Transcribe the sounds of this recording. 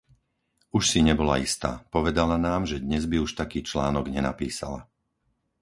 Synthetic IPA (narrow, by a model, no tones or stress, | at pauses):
uʃsiɲɛbɔla̰ist̪a̰ːpɔʋɛd̪alanaːmʒɛd̪ɲɛzbiuʃt̪akiːt͡ʃlaːnɔɡɲɛna̰piːsa̰la̰